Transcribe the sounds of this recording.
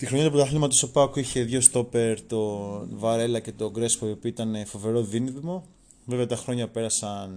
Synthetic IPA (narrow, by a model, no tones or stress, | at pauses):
t̪ixɾoɲɐt̪uɐp̬ot̪ɐθlimɐt̪osopɐkuiçe̞ðʝo̞st̪o̞pe̞ɾt̪o̞nvɐɾe̞lɐce̞t̪o̞ɡɾe̞spoiopioit̪ɐne̞fo̞ve̞ɾo̞ðiniðmo̞ | veveɐt̪ɐxɾo̞ɲɐpe̞ɾɐsɐn